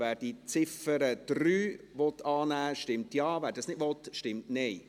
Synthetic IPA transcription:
vɛːɾd̥iːt͡sɪfəɾəd̥ryː | ʋɔtːɑːnæːʃtɪmtjɑːvæːɾdɑsnɪdʋɔtʃtɪmtnɛɪ

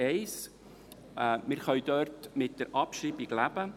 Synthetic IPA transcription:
ɛɪs | mɪɾχœʏd̥œɾtmɪt̚d̥əɾʔɑpʃriːbiɡlæbə

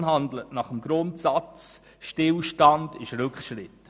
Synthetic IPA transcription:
ɦɑndlətnɑχəmɡɾʊntsɑt͡s | ʃtɪlʃtɑndɪʃɾʉkχʃɾɪt

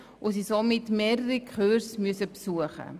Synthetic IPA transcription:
ʔosisomɪtmeːɾəɾikʰχøɾsmyəsəpsuəχə̰

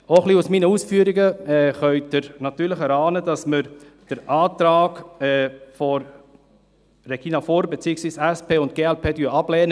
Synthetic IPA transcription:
oχliusminəusfyːɾiɡəɛːχœʏdəɾnɑt̪yːləχəɾɑːnəd̥ɑsməɾd̥əɾʔɑːt̪ɾɑːɡɛːfɔ | ɾeɡ̥iːnɑfɔɾbet͡siːəksʋiːsɛspeːʊnt̚ɡ̥eːɛlpʰeːdyːɑb̥lɛːnə

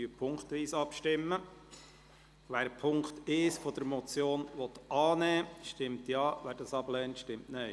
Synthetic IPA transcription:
yːpʰʊŋkt̪ʋiːsɑpʃtɪmːə | ʋæːɾpʰʊŋktesfɔd̥̪əɾmɔt͡sjoːnʋɔt̪ɑːnɛːʃtɪmtjɑːʋæːɾdɑsɑblɛːntʃtɪmtneɪ

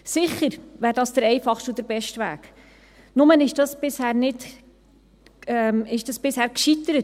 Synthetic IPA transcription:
sɪχəɾʋæːɾdɑːsd̥əɾɛjfɑχʃtʊd̥əɾbɛʃtʋæ̰ːk | nʊmənɪʃd̥ɑsb̥ɪshæːɾnɪt | ɛmɪʃd̥ɑsb̥ɪshæːɾkʃit̪əɾət

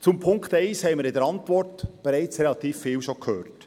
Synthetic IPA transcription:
t͡sʊmpʰʊŋkχt̪ɛɪshɛɪməɾɪdəɾɑntvɔrtb̥ɛɾɛɪt͡srɛlɑt̪iːfːɪːlʃokʰhøːrt

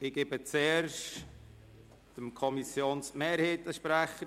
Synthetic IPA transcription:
ɪɡ̥ebət͡seːɾʃt | d̥əmkʰɔmisjoːnsmeːɾheːtəʃpɾæχə

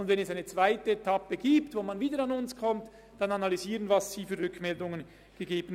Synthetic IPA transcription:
ʊndvɛnɛsaɪnət͡sv̥aɪtəetʰapəɡ̥iːptvoːmanviːdəɾanʊnskʰɔmt | d̥ananalyziːʁənvɑsz̥iːfyːʁʏkmɛldʊŋən | ɡ̥əɡeːbən̩

